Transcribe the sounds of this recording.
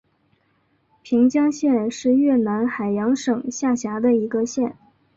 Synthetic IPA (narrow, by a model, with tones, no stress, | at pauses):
pʰi˧˥ŋt͡ɕjɑ˥ŋɕjɛ˥˧nʂɻ̩˥˧ɥɛ˥˩na˧˥nxa˨˩ɪjɑ˧˥ŋʂɤ˨˩ŋɕja˥˩ɕja˧˥d̪ə˧i˧˥ɡə˧ɕjɛ˥˩n